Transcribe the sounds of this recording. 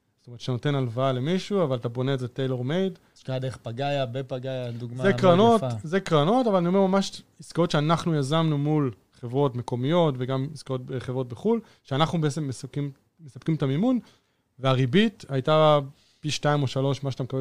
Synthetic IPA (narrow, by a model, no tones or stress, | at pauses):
stometʃtano̞te̞nalvaale̞miʃuavalatabo̞neːzetejle̞ʁmejd | kaad̪eeχpaɡajabepaɡajad̪uɡmazekʁano̞tzekʁano̞tavalanioe̞ʁmamaʃiskaotʃeanaχnujazamnumul | χevʁo̞tme̞ko̞mijo̞tveɡamiskaot̚beχevʁo̞t̚beχul | ʃeanaχnubeet͡se̞mːeskimː | esap̚kimtamimun | veaʁibitajta | piʃtaimo̞ʃalo̞ʃmaʃat̪amekabe